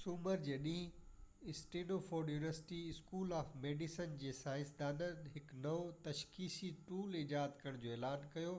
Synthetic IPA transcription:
suːməɾd͡ʑeːɗĩːɪsʈeːnofoːɖjuːnʋəɾsɪʈiɪskuːlaːfmeːɖisənd͡ʑeːsaːɪ̃nsd̪aːnənɦɪknɐot̪ɐʃkiːsiʈuːlɪd͡ʑaːət̪kɐɾəɽ̃d͡ʑoːeːlaːnkɐjoː

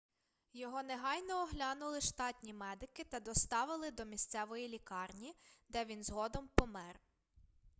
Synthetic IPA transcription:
jɔɦɔneɦɑjnɔːɦlʲɑnʊlˠɪʃt̪ɑt̪ʲnʲimɛd̪ɪkɪt̪ɐd̪ɔst̪ɑʋɪlˠɪd̪ɔmʲist̪sɛʋɔjilʲikɑrnʲid̪ɛʋʲinzɦɔd̪ɔmpɔmɛr

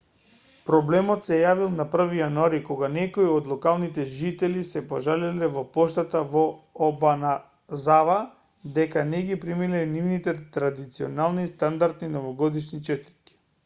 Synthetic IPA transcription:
pɾɔblɛmɔt̪sɛjavilˠnapr̩vijanuaɾikɔɡanɛkoiod̪lˠɔkalˠnit̪ɛʒit̪ɛlisɛpoʒalɛlɛvɔpɔʃt̪at̪avɔɔbana | zava | d̪ɛkanɛɡipɾimilɛnivnit̪ɛt̪ɾad̪it̪sio̰nalˠnist̪and̪aɾt̪ninɔvɔɡɔd̪iʃnit͡ʃɛst̪i̥t̪̚kʲi̥

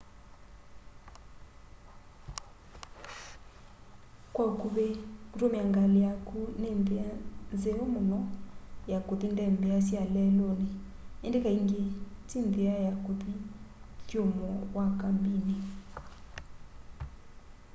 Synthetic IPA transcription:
kwaukuβekutomiaŋɡalijakunendeanzeomonɔjakot̪indɛmbejas̬jalɛlone | endekaiŋɡetindeajakot̪ikjomɔwakambine

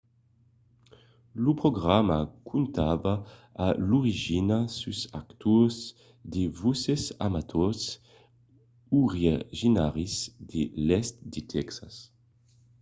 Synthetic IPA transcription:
lupɾoɡʁama̰kʰunt̪avaaluʁiʒinasusa̰kt̪uz | d̪evusesa̰mat̪ʰɔs | uʁaʒinaʁizd̪elɛst̪d̪et̪ʰɛksas

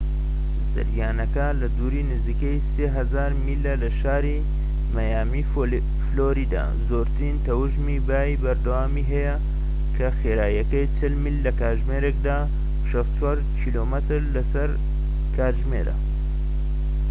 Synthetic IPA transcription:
zɨ̰ɾjaːnɐkɐlɐd̪uːɾiːnɨziːkɐjseːɦɐzaːɾmilːɐlɐʃaːɾi | mɐjaːmiː | floːɾiːd̪a̰ː | zoːɾt̪ɾint̪ɐwɨʒmiːbaːibɐɾd̪ɐwaːmiːɦɐjɐ | kʰɐxeːɾaːjɐkɐjt͡ʃʰɪlmilːɐkaːɾʒmeːɾek̚d̪aː | ʃɐst̪t͡ʃʰwaɾkʰiːloːmət̪ɨɾlɐsɐɾ | kʰaːɾʒmḛːɾɐ̰

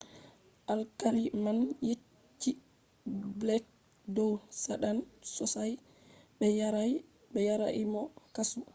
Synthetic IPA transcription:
ʔalkaɾimanjet͡ʃː | i | blɛk̚ | dɔwsaɗansɔsaj | bɛjaɾaj | bɛjaɾaʔimɔkasu

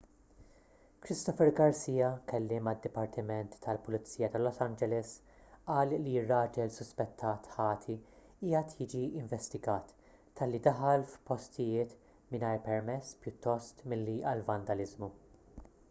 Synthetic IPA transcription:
kɾɪst̪ɔfɛɾɡɐɾsiːjɐkɛlːɪːmɐd̪ːɪpɐɾt̪ʰɪmɛnt̪ːɐlpʊlɪt͡sːiːjɐt̪ɐlɔsɐnd͡ʒɛlɛs | ɐːllirːɐːd͡ʒɛlsʊspɛt̪ʰːɐːt̪ħɐːt̪ʰi | iːɐt̪ʰjɪːd͡ʒiɪɱvɛst̪ɪɡɐːt̪ː | ɐlːid̪ɐħɐlfpɔst̪ɪjɪːt̪ | mɪnɐjɾpɛɾmɛsːpjʊt̪ːɔst̪mɪlːiʔɐlvɐnd̪ɐlɪzmu

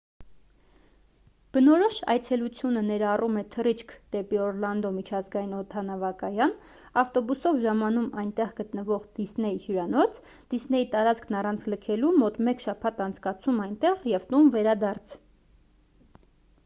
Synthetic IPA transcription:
b̥ənɔɾɔʃɑ̰jt͡sʰɛlut͡sʰjunənɛɾɑrumɛt̪ʰərit͡ʃʰkʰd̪̥ɛpiɔɾlɑnd̪ɔmit͡ʃʰɑzɡɑjinɔt̪ʰɑnɑvɑkɑjɑn | ɑft̪ɔbusɔvʒɑmɑnumɑjnt̪ɛʁɡət̪nəvɔʁd̪̥isnɛjihjuɾɑnɔt͡sʰ | d̪̥isnɛjit̪ɑɾɑt͡skʰnɑrɑnt͡sʰləkʰɛlumɔt̪mɛkʃɑpʰɑt̪ɑnt͡sʰkɑt͡sʰumɑjnt̪ɛʁjɛvt̪umvɛɾɑd̪ɑɾt͡sʰ

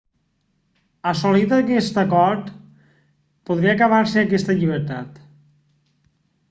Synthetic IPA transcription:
əsolit̪əkɛst̪əkɔɾt̪ | poð̞ɾiəkəβaɾsəəkɛst̪əʎiβ̞əɾt̪at̪

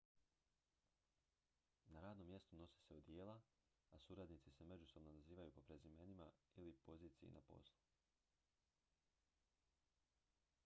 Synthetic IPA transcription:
naɾaːd̪no̞mːje̞st̪uno̞si̥se̞od̪je̞ːlaː | suɾad̪nit̪ise̞me̞d͡ʒuso̞bnonaziːʋajupo̞pɾe̞zime̞nima̰ilipo̞ziːt̪sijḭnʔa̰po̞̰so

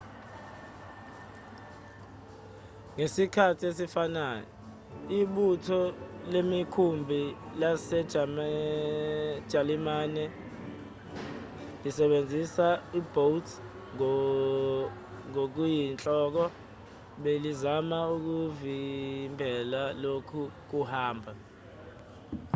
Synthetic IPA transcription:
ŋesikʰatʰiesifanaːjɔ | iɓutʰɔlemikʰumbʱilasɛ | ʒ̥ʱalimaːnɛ | lisɛɓend͡zʱisaib̥ʱowtʰ | ŋok̬ujint͡ɬʼɔk̬ɔ | ɓelizamauk̬uvimbʱɛlalokʰuk̬uhaːmbʱa

